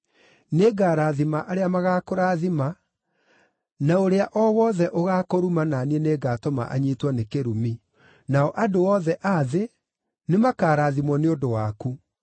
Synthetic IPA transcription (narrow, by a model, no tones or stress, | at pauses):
neɡaːɾaːðimaʔaɾeamaɣakoɾaːðima | naoɾeaʔɔwɔðɛʔoɣaːkoɾumananiɛneːɡatɔma̰ʔa̰ɲiːtwanekeɾumi | naɔʔadoɔðɛʔaðe | nemakaːɾaːðimwɔneondowaku